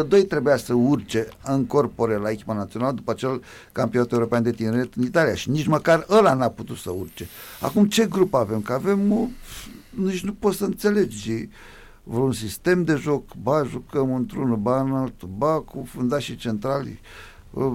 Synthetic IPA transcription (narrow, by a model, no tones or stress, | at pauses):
əd̪ojt̪ɾe̞bujasəurt͡ʃe̞ɨŋko̞rpo̞ɾelaekʲi̥panat̪sio̞naləd̪upəat͡ʃe̞l | kampionat̪euɾo̞peand̪e̞t̪ineɾet̪ɨnit̪alijaʃiniʒməkarəlanaput̪ut̪səurt͡ʃea̰kumt͡ʃe̞ɡɾupave̞mkəave̞m | nit͡ʃnupo̞t̪səɨnt̪se̞le̞d͡ʒi | vɾunsist̪e̞md̪e̞ʒo̞kbaʒukəmɨnt̪ɾunbanalt̪ubakufund̪aʃit͡ʃe̞nt̪ɾalʲḭ